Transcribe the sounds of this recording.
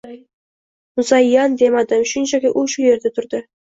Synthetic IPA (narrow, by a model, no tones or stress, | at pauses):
mʊzɑjːɑnd̪emad̪ɪmʃʊnt͡ʃakʲɪʔʊʃʊje̞ɾd̪at̪ʰʊɾd̪ɪ